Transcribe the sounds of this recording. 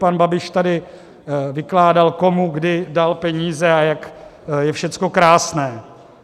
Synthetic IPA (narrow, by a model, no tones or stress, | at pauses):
panbabɪʃt̪adɪ | vɪklaːdalkomuɡdɪdalpɛɲiːzɛajakjɛfʃɛt͡sko̞kɾaːsnɛː